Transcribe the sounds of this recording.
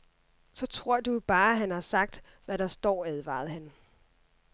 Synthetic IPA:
sɒ̽t͡sʰʁ̝ɐ̰d̥ub̥ɑ̈ːɦænhɑ̈sɑ̈ɡ̥̚d̥ | ʋæɾ̥ɑ̈sd̥ɒ̰ːæð̞ˠʋɑ̰̈ːð̩ˠɦæn

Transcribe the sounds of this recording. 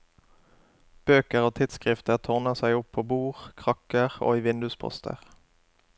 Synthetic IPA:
b̥øːkəʁoːt̪ʰɪd̪skʁɪft̪əʁt̪ʰʊʁnəʁsæɪʊpʰːoːbuːʁkʰʁɑkəʁo̰ːiːʋɪnd̪ʉspʰɔ̰st̪ʰə̰ʁ

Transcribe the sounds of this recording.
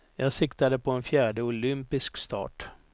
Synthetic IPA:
jɑːɡsɪkt̪ad̪əpʰɔɛnfjæːɖəʊlʏmpɪskst̪ɑ̰ːʈ

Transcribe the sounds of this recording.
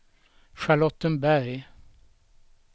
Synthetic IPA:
ɧaɭɔt̪ːənbæɾj

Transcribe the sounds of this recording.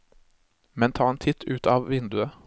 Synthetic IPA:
mɛnt̪ʰɑːeːnt̪ʰɪt̪ʰʉːt̪ʰɑːʋʋɪnd̪ʉə

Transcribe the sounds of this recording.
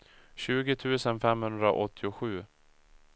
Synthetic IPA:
ɕʉ̟ːɡɪt̪ʰʉ̟ːsənfɛmhɵnd̪ɾa̰ʔɔt̪ʰːɪʊɧʉ̟ː

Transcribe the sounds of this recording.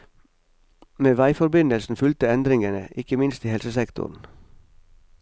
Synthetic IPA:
meːʋæɪfɔɾbɪnəlsn̩fʉlt̪əɛnd̪ɾɪŋənəʔɪkəmɪnst̪iːhɛlsəsɛkt̪ʰʊ̰n̩

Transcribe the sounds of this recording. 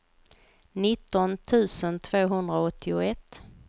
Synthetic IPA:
nɪt̪ːɔnt̪ʰʉ̟ːsənt̪ʰv̥oːɦɵnd̪ɾaɔt̪ʰːɪʊɛt̪ː

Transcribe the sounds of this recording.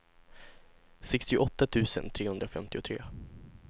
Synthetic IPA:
sɛkst̪ɪʊʔɔt̪ːat̪ʰʉ̟ːsə̰nt̪ʰɾeːhɵnd̪ɾafɛmt̪ɪʊt̪ʰɾḛː

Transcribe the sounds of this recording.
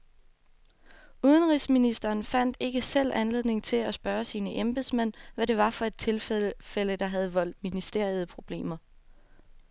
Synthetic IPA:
uð̞ˠənʁisminisd̥ɐːnfæn̰d̥e̝ɡ̥əsel̰ænle̝ð̞̰ˠne̝ŋt͡sʰe̝læsb̥ɶːɐsiːnəʔemb̥esmæn̰ʋæɾe̝ʋɑ̈fɒ̽e̝d̥̚t͡sʰe̝lfel̰əd̥ɑ̈ɦæð̞̩ˠəʋɒ̽l̰d̥minisd̥e̝ɐ̰ið̞ˠpʰʁo̝b̥le̝̰ːmɐ

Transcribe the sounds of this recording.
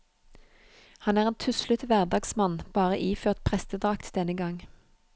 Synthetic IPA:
hɑnæːʁeːnt̪ʰʉslʉt̪ʋæʁd̪ɑːɡsmɑnb̥ɑːʁəʔiːføːʁt̪pʰʁɛst̪əd̪ʁɑkt̪ʰd̪ɛnəɡɑŋ

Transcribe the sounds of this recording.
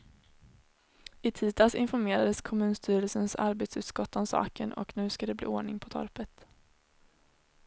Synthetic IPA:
ɪt̪ʰiːt̪ʰɑsɪ̰nfɔɾmeːɾad̪əskʰɔmʉ̟ːnst̪ʰyːɾəlsənsa̰ɾbeːt̪sʉ̟ːt̪skɔt̪ːɔmsɑ̰ːkənʔɔ̰knʉ̟ːskad̪ɛblḭːoːɳɪŋpʰɔt̪ʰɔ̰ɾpət̪

